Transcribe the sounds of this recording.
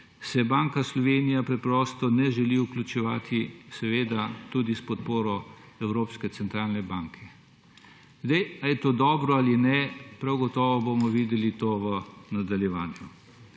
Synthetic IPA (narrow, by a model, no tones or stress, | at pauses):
sɛbaːŋkaslɔʋeːnijapɾɛpɾɔːst̪ɔnɛʒɛliuklʲut͡ʃɛʋa̰ːt̪ʰisɛʋeːd̪at̪uːd̪ispɔt̪poːɾɔ | ɛwɾoːpskɛt̪sɛnt̪ɾaːlnɛbaːŋkʰɛ | zd̪ajajɛt̪oːd̪ɔːbɾɔalinɛpɾawɡɔt̪ɔːʋɔbomɔʋiːd̪ɛlit̪oːʋənad̪aljɛʋaːnju